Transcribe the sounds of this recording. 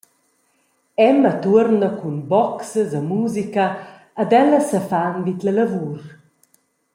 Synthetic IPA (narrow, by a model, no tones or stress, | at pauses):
ɛmət̪uəɾnəkunbɔksəzəmuzikəː | d̪ɛləsəfanvit̪lələvuɾ